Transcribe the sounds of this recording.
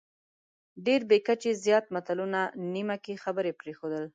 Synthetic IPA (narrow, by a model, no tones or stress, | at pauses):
ɖeɾbekat͡ʃezjɑt̪̚mat̪alunanimakexabəɾepɾexod̪əl